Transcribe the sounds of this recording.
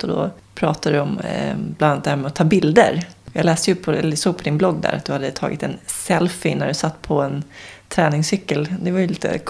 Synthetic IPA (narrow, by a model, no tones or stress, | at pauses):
ɔd̪ɔ̰ | pʰɾɑ̰ːt̪ad̪ɵɔmblanat̪d̪ɛhæːmɛɔt̪ʰːɑːbɪld̪ə̰ɾjɑːɡlɛːst̪əjɵpʰɔɛlsoːɡ̚pʰɔd̪ɪnblɔɡːd̪æ̰ɾʔat̪d̪ɵhad̪ːət̪ʰɑ̰ːɡɪt̪ɛnsɛlfɪnæ̰ɖɵsat̪ːpʰɔɛnt̪ʰɾɛːnɪŋsʏkːəld̪ɛvaɾjɵliːt̪ə̰kʰ